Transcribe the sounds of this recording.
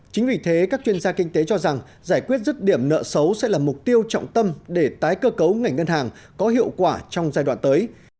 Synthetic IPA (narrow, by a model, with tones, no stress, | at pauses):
t͡ɕï˨˦ŋ̟vi˨˩t̪ʰe˨˦kaː˦˥k̚t͡ɕwi˧ənzaː˧kï˧ŋ̟t̪e˨˦t͡ɕɔ˧za˨˩ŋ | zaː˧˩jkwi˦˥ət̚zə˦˥t̚ɗi˧˩əmnə̰ː˧˨sə˨˦wsɛ̰˧˥laː˨˩mʊ˨˩k͡p̚t̪i˧əwt͡ɕɔ̰˧˨wŋ͡mt̪ə˧mɗe˧˩t̪aː˨˦jkəː˧kə˨˦wŋa˨˩jŋ̟ŋə˧nhaː˨˩ŋ | kɔ˨˦ɦḭ˧˨əwkwaː˧˩t͡ɕɔ˧wŋ͡mzaː˧jɗwa̰ː˧˨nt̪əː˨˦j